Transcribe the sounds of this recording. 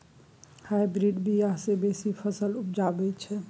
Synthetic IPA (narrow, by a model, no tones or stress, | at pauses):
hajbɾiɖbʱijasebesipʰəsəlup̚d͡ʒabɛt͡ʃʰɛ